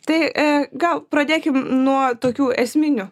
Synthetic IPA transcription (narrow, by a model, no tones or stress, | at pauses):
t̪ɐɪɡɐlˠpɾɐd̪ʲeːkʲɪmnuɔt̪oːkʲuːɛsʲmʲɪnʲʊ